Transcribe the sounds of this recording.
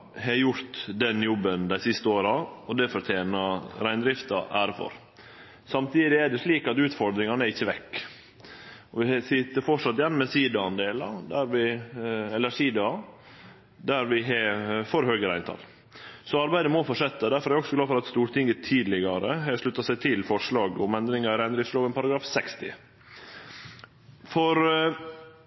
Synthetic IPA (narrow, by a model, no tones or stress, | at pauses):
hɛjʊɾt̪d̪ɛnjɔbːənd̪æɪsɪst̪əoːɾɑɔd̪ɛfɔɾt̪ʰjeːnɑɾæɪnd̪ɾɪft̪ɑʔæːɾfɔ̰ɾ | sɑmt̪ʰiːd̪ɪæɖɛsliːkɑt̪ʉːt̪fɔɾd̪ɾɪŋɑnɛɾɪçːəʋɛkː | ɔʋɪsɪt̪ːəɾfɔʂɑt̪ːjɛnːɔmɛsiːd̪əɑnd̪eːlɑd̪æɾʋɪɛlæʂiːd̪əɑ | d̪æɾʋɪɦɛfɔɾɦøːɡəɾæɪnt̪ʰɑ̰l | sɔɑɾbæɪd̪əmofɔʂɛt̪ːɑd̪æɾfɔɾæɾɔksɔɡlɑːfɔɾɑt̪st̪uːɾʈ̪ɪŋɡət̪ʰiːd̪lɪɡɑɾəɦɛʂɭʉt̪ːɑsæɪt̪ʰɪlfɔʂɭɑːɡɔmɛnd̪ɾɪŋɑɾɛnd̪ɾɪsloːʋənpʰɑɾɑɡɾɑːfsɛkst̪ɪ̰ | fɔɾ